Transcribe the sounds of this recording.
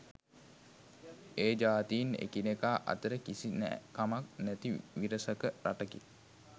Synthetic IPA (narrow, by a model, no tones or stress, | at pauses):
eːd͡ʒaːt̪iinḛkinekaːʔa̰t̪əɾəkisinæ̰kamak̚næt̪iʋiɾəsəkəɾaʈəkḭ